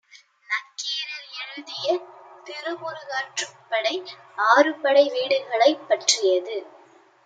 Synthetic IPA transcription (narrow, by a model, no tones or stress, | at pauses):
nɐkːeːɾɐlɛɻɯðɪjɐt̪ɪɾɯmʊɾɯɣaːʈrɯpːɐɽɐɪ | aːrɯpɐɽɐɪʋiːɽɯɣɐɭɐɪpːɐʈrɪjɐðɯ